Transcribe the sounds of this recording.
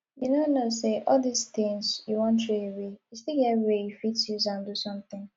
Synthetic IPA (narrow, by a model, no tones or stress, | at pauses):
junonoseʔɔldist̪ɪ̃ŋzjuwɔ̃ntɹeewejustikɛiwejufitjuzãndusɔ̃mt̪ɪ̃ŋ